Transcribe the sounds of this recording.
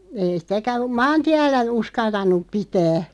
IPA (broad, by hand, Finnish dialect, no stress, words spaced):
ei sĭtækæ mɑːntiælːæ uskɑltɑnˑup̆ pitæː